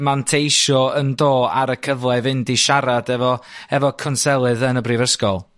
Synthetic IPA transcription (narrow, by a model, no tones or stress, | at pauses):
mantʰejʃɔəndoːaɾəkʰəvlˠɛvɪndiʃaɾadɛvɔɛvɔkʰɔnsɛlˠɨðənəbriːvəskɔlˠ